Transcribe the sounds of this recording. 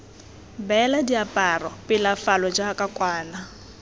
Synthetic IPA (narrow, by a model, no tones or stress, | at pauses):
bɛladiapʼarɔpʼɪlafalɔd͡ʒakʼakʼwaːna